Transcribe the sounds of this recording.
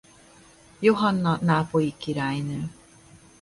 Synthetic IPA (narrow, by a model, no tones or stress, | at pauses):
joɦɔnːɔnaːpoikiɾajnɯː